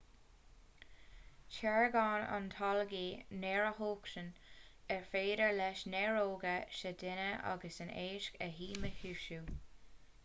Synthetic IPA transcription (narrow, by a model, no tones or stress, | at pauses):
t͡ʃʰɛɹɡɑːna̰nt̪ʰɑlɡiːnɛːɹəhoːkʃən | ɛɹfeːdəɹlɛʃnɛɹoːɡəʃədɪnəʔa̰ɡəsɪneːʃkəɦiːməhuːʃuː